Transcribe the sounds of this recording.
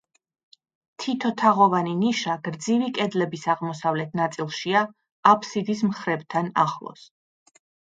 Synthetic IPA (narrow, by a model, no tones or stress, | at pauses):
t̪ʰit̪ʰɔt̪ʰaʁɔvaniniʃaɡ̥ɾd̪zivikʼɛd̪lɛbisaʁmɔsavlɛt̪̚ʰnat̪sʼilˠʃiaː | pʰsid̪ismχɾɛbt̪ʰana̰χlˠɔ̰s